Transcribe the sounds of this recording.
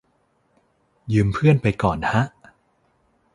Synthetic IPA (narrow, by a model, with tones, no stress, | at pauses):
jɯː˧mpʰɯ˥˩ənpa˧jkɔː˨˩nha˦˥ʔ